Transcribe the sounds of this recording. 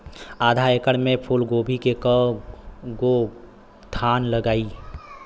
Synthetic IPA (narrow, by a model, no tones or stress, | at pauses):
aːd̪ʱaekəɽmẽpʰulɡoːbʱikekə | ɡo | t̪ʰaːnləɡaːi